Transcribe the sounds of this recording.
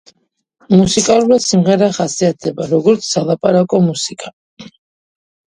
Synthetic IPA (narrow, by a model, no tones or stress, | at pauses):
musikʼalˠuɾasimʁɛɾaχasiat̪̚ʰdɛbaɾɔɡɔɾt̪sʰsalˠapʼaɾakʼɔmusikʼa